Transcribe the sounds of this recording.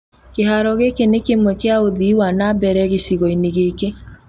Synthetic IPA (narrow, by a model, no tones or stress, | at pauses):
keɦaɾɔɣekenekemwɛkeaoðiwanabɛɾɛɣeɕiɣɔineɣeke